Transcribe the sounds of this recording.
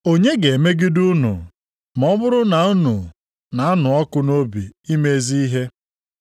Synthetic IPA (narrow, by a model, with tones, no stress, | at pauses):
o˦ɲe˦ɡe˨e˨me˦ɡi˦du˦nʊ̰˨ | mɔ˦bʊ˦ɾʊ˦na˨u˦nu˨ | na˨a˦nʊ˨ɔ˦kʊ˦no˦bi˨i˦me˦zi˦i˦ɦe˦